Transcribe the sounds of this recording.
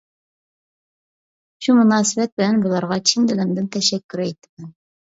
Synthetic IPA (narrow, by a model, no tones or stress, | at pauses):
ɕumɤ̆nɑsibæt̪̚bɘ̆lænbŏlˠɑɾʁɑt͡ɕind̪ɘ̆lɘ̆md̪ɘnt̪æʃækːɵ̆ɾæit̪ɘ̥mɘn